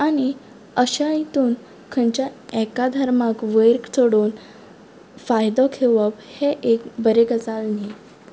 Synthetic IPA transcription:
añi | əɕait̪uːn | kʰənt͡ɕjaɛkad̪ʱəɾmakʋəjɾkt͡sʰoɽuːn | fajd̪ɔkʰeʋəpheʔekbəɾeɡəd͡zalni

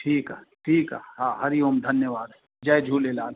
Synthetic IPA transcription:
ʈʰiːka̰ːʈʰiːka̰ːhaːɦɐɾiomd̪ʱɐnjəʋaːd̪ɦɛ | d͡ʒɐed͡ʒʱuːlelaːl

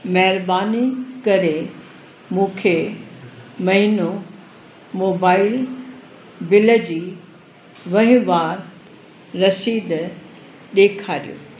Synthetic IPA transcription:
mɐɦɪɾbaːnikɐɾe | mũːkʰe | mɐɦɪno | moːbaːɪl | bɪləd͡ʑiː | ʋɐɦɪ̃ʋaːɾː | ɐsiːd̪ | ɗeːkʰaːɾḭjo̰ː

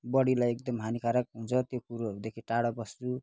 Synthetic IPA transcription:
bʌɽilajek̚d̪ʌmɦanikʰaɾak̚ɦũnt͡sʰʌt̪jokuɾod̪ekʰiʈaɽʌbʌst͡su

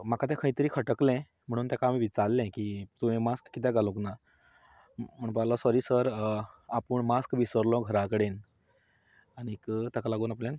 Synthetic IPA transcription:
m̤akat̪̬ɛ̃kʰəĩt̪əɾiːkʰəʈəklɛ̃ | m̤əɽ̃uːnt̪jakaːmiʋit͡salːɛ̃kiːt̪uẽmaskːit̪ɛ̃ɡʱalukna | m̤əɳpalɔsɔɾiːsəɾapəɳmaskʋisəɾlɔ̃ɡʱəɾakəɽen | aɽ̃ikət̪akalaɡuːnapljãn

